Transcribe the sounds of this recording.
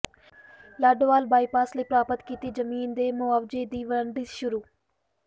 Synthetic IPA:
laːɖoʋaːlbaːipaːsləiːpɾaːpət̪kiːt̪iːd͡ʒəmiːnd̪eːmʊaːʋd͡ʒeːd̪iːʋəəɳɖ̪iʃʊɾuː

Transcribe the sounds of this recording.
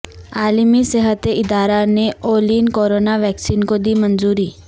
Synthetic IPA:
aːlmisɛɦət̪eɪd̪aːɾaneoːliːnkoːɾoːnaʋɛːksiːnkod̪imɐnzuːɾiː

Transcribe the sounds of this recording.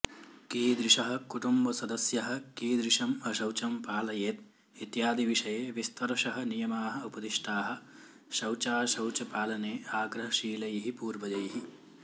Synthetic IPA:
kiːd̪ɾiʃɐɦɐ̆kuʈumbɐsɐd̪ɐsjɐɦɐ̆kiːd̪ɾiʂɐmɐʃɐwt͡ʃɐmpaːlɐjeːt̪̚ | it̪jaːd̪iʋiʂɐjeːʋist̪ʰɐɾɐʃɐɦɐ̆nijɐmaːɦɐ̆upɐd̪iʃʈaːɦɐ̆ | ʃɐwt͡ʃaːʃɐwt͡ʃɐpaːlɐneːaːɡɾɐɦɐʃiːlɐjɐɦipuːɾʋɐd͡ʒɐjɐɦi

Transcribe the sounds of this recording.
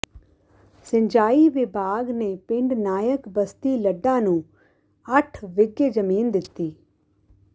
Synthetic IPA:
sə̃ɲd͡ʒaːiːʋɪbʱaːɡneːpɪ̃ɳɖnaːjəkbəst̪iːləɖːãːnũː | əʈʰʋɪɡed͡ʒəmiːnd̪ɪt̪ːiː

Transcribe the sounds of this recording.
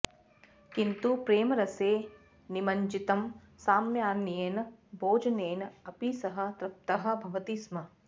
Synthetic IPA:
kint̪upɾeːmɐɾɐseː | nimɐɲd͡ʒit̪ɐm | saːmjaːnijeːnɐboːd͡ʒɐneːnɐpisɐɦɐ̆t̪ɾɐp̚t̪ɐɦɐ̆bʱɐʋɐt̪ismɐ

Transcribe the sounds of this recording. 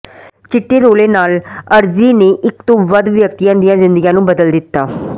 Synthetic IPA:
t͡ʃɪʈːeːɾoːleːnaːləɾziːneːʔɪkt̪õːʋəd̪ʋjəkt̪ijãːd̪ɪjãːzɪ̃nd̪əɡiãːnũːbəd̪əld̪ɪt̪ːaː

